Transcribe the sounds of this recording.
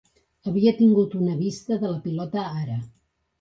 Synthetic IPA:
əβ̞iət̪iŋɡut̪unəβist̪əðələpilɔt̪əaɾə

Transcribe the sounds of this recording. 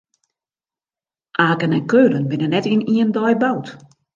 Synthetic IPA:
ʔaːkənɛnkøːɾənbɪnənɛtiniəndɔjbawt

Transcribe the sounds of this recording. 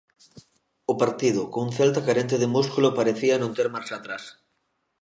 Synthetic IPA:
ʊpaɾt̪iðʊkouŋθelt̪akaɾent̪eðemuskulopaɾeθianõnt̪eɾmaɾsat̪ɾas

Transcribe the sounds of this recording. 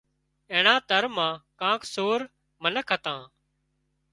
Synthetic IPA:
ẽːɳãːt̪əɾmãːkãːkʰsoːɾ | mənəkʰət̪ãː

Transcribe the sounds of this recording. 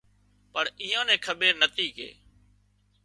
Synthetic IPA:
pəɳiːãːnɛ̃ːkʰəɓeːnət̪iːkḛː

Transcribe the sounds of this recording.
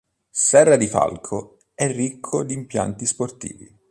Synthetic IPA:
sɛrːad̪ifa̰lkʰo | ɛrːikʰːod̪iːmpja̰nt̪isport̪ḭːvḭ

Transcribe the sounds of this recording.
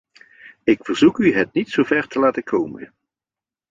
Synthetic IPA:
ɪkfəɹzukyɦət̚nitsowvɛɹtəlaːtəkʰowmə̰n

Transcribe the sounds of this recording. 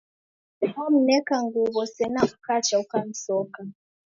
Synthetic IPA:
ahɔm̩nɛkaŋɡuβɔsɛnakukat͡ʃaukan̩sɔka

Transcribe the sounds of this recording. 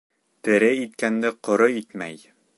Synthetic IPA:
t̪ɘ̆ɾɘit̪kænd̪ɘqŏɾɤit̪mæ̰j

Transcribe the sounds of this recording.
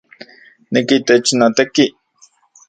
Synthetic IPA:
nekit̪et͡ʃnat̪ekiʔ

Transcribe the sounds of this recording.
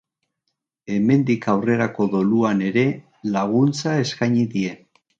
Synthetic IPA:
e̞me̞nd̪ikawre̞ɾako̞ðo̞luane̞ɾe̞ | laɣ̞unt͡sae̞skaɲiðie̞

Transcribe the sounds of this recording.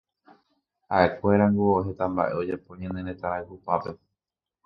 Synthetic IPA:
a̰ʔe̞kʷe̞ɾaŋɡuoɦe̞t̪amba̰ʔe̞o̞d͡ʒepõɲãnẽnet̪aɾahupape̞

